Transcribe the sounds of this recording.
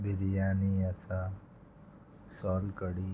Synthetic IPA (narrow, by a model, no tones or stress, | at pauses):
bʱɪɾijaːniɐsa | sɔːlkəɽi